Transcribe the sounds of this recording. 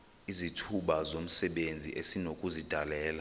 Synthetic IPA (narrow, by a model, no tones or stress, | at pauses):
izitʰuɓazom̩sɛɓend͡zʱḭʔesinokʼuzid̥ʱalɛːla